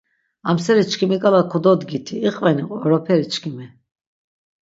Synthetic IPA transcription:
amsɛɾit͡ʃʰkʰimikʼalakʰɔd̪ɔd̪ɡit̪ʰiːqʼvɛniɔɾɔpʰɛɾit͡ʃʰkʰimɛ

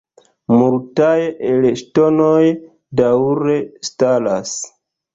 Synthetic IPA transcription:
multajelektono̞j | dawɾe̞stala̰s

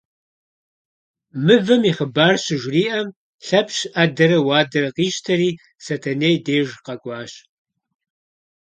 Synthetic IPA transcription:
mɨvɐmiχəbaːrɕɪʒʷriːʔɐm | ɬɐpɕʔadɐɾɐwaːdɐɾɐqiːʃtʰɐɾiː | sɐtʰɐneːjdeːʒqɐkʷʼɑːɕ

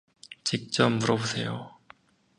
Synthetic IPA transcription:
t͡ɕik̚t͡ɕ͈ʌmːuɾʌbusʰe̞jo

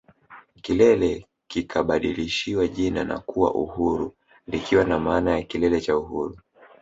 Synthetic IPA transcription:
kilɛlɛ | kikʰaɓaɗiliʃiwaʄina̰na̰kuwa̰ʔṵhuɾu | likiwanamaːnajakilɛlɛt͡ʃauɦuɾu

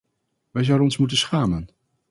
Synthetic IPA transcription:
ʋɛjzʌwdənɔnsmut̬ənsχaːmən

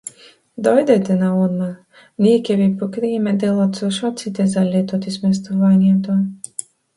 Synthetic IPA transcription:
d̪ɔjd̪ɛt̪ɛnaunma | niːkʲɛvʲipɔkɾiːmɛd̪ɛlˠɔt̪suʃɔt̪sit̪ʲɛzalʲːit̪ut̪ismʲɛs̬t̪uvaːnʲiɛt̪u

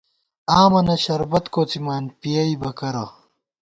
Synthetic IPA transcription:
aːmɐnɐɕɐɾbɐt̪koːt͡simaːnpijɐibɐkɐɾɐ

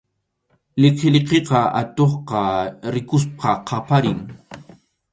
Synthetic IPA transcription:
lɪqelqeqɑa̰t̪oχqɑɾɪkʊsp̚ʰɑqʰɑpaɾɪŋ

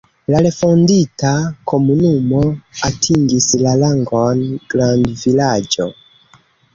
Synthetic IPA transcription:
laɾe̞fo̞nditako̞munumoatʰiŋɡislalaŋɡonɡɾandvilad͡ʒo̞̰

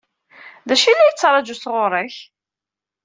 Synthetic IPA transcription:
ðæʃilːæjət͡sːɾˤɑd͡ʒusʁoɾˤəç

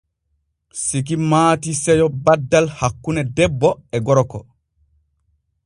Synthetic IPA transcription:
sik̬imaːtisɛjɔbadːalhakːunɛdɛbːɔɛɡɔɾɔkɔ̰

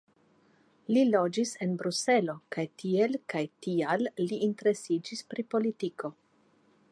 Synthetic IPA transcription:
lilo̞d͡ʒise̞nbɾuse̞lo̞kajtʰie̞lkajtialːiinte̞ɾe̞sid͡ʒispɾipo̞litiko̞

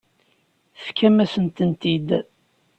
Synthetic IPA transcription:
θkʰːæmæsənt̪ənt̪id̪

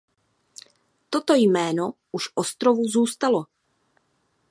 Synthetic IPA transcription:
t̪ot̪o̞jmɛːno̞ | uʃʔost̪ɾovuzuːst̪alo̞

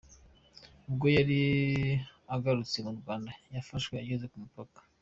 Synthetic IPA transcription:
ubɡo̞jaɾi | aɡaɾut͡semuɾɡwaːndajafaʃkweajezekumupakḁ

